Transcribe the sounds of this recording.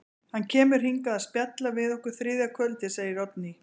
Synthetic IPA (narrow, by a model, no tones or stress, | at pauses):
hancʰɛːmʏɾ̥ɦiŋkaðaðspjat̪lavɪðɔhkʏɾ̥θɾɪːðakʰvœlt̪ɪseːjɪɾɔt̪ni